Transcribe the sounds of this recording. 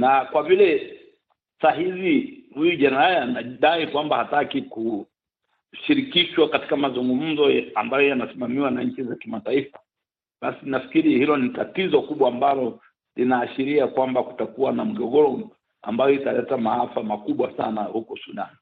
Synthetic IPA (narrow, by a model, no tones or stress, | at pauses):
nakwavilɛ | saɦizihujuʄanajnaɗaikwambahatakiku | ʃiɾikiʃwakati̥kamazuŋɡum̩zɔambajɔjanasimamiwanaɲ̩t͡ʃizakimataifa | ɓasinafi̥kiɾihilɔnitatizɔkuɓwaːmbalɔ | linaːʃiɾiakwambaku̥takuwanam̩ɠɔɠɔɾɔ | a̰mbajɔitalɛtamahafamakuɓwasa̰nahukɔsuɗa̰n